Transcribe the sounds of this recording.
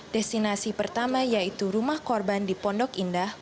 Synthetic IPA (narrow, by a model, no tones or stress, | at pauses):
d̥ɛst̪inasipərt̪amajait̪uɾumahkɔrbandipɔndɔkindah